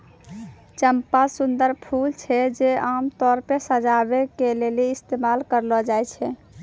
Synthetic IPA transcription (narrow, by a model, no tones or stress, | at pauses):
t͡ʃəmpasund̪əɾpʰult͡ʃʰɛd͡ʒeamt̪ɔɾpesəd͡ʒabekeleliist̪emalkəɾlɔd͡ʒajt͡ʃʰɛ